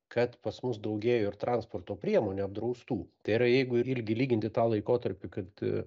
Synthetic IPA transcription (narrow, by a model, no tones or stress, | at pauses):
kʰɐt̪pɐsmʊsd̪ɐʊɡʲeːjoːɪɾt̪ɾɑnspoːrt̪oːpʲɾʲiɛmoːnʲuɐb̚d̪ɾɐʊst̪uːt̪ɐɪɪɾɐjɛɪɡʊɪɪlʲɡʲɪlʲiːɡʲɪnʲt̪ʲɪt̪ɑːlˠɐɪkoːt̪ɐɾʲpʲɪkɐt̪